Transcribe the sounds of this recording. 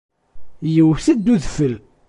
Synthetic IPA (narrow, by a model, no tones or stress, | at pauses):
jəwθəd̪ːuðfəl